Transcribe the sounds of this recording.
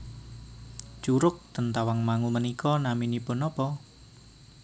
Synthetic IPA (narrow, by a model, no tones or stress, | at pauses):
t͡ʃuɾʊk̚t̪ənt̪awaŋmaŋumənikɔnaminipʊnɔpɔ